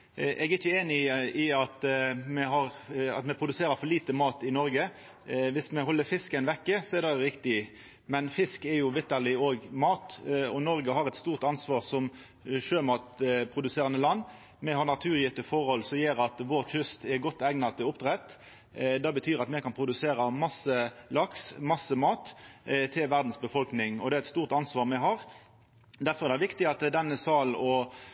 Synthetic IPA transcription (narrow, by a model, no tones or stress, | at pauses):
ʔɛɡɪçːəeːnɪɪɑt̪mɛɦɑɾɑ̰t̪mɛpʰɾʊd̪ʉseːɾəɾfɔliːt̪əmɑːt̪ɪnɔɾɡə | ʋɪsmɛhɔlːəɾfɪskənʋɛkːəsɔɛd̪ɛɾɪkt̪ɪ | mɛnfɪskɛɾjʊʋɪt̪ːəʁlɪoːɡmɑːt̪ɔnɔɾɡəɦɑʁɛt̪st̪uːʁt̪ɑnsʋɑːʁsɔm | ʃøːmɑːt̪pʰɾʊd̪ʉseːʁɑnəlɑnː | mɛɦɑʁnɑt̪ʰʉːʁjɪt̪ːəfɔʁhɔlsɔjeːɾɑt̪ʋoːʁçʏst̪ɛɾɡɔt̪ːæɡnɑt̪ʰɪʊp̚t̪ʁɛt̪ | d̪ɑːbət̪ʰyːɾɑt̪mɛkɑnpʰɾʊd̪ʉseːɾɑmɑsəlɑksmɑsːəmɑːt̪t̪ʰɪlʋæʁd̪n̩sbəfɔlknɪŋɔd̪ɛæɛt̪st̪uːʁt̪ɑnsʋɑːʁmɛɦɑɾ | d̪æɾfɔɾɛɾd̪ɛɪʋɪkt̪ɪɑt̪d̪ɛnːəsɑːl̩ɔ